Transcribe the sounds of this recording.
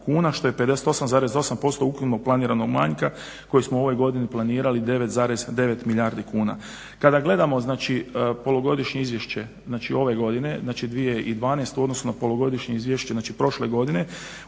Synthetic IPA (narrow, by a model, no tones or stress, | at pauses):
kuːnaʃt̪o̞jepe̞d̪eset̪o̞samzaːɾe̞zo̞sampo̞st̪o̞ukɾupnoɡ̚plˠaniːɾano̞ɡma̰ɲka | ko̞jismouo̞ʋo̞jɡo̞d̪iniplˠaniːɾalid̪e̞ʋe̞t̪zaːɾe̞zd̪e̞ʋe̞t̪milʎʲaːɾd̪ikuːna̰ | kad̪aɡle̞d̪amo̞znaːt͡ʃipo̞loɡo̞d̪iʃɲeizʋjeʃt͡ɕe̞ | znaːt͡ʃio̞ʋe̞ɡo̞d̪ine̞znaːt͡ʃid̪ʋije̞ʔid̪ʋaːnest̪uod̪no̞sunapo̞loɡo̞d̪iʃɲeizʋjeʃt͡ɕeznaːt͡ʃipɾo̞ʃle̞ɡo̞d̪ine̞